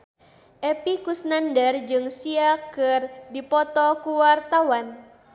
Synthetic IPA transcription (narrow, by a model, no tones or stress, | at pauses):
ʔepikusnandard͡ʒɨŋsiakɨrdipɔt̪ɔkuwart̪awan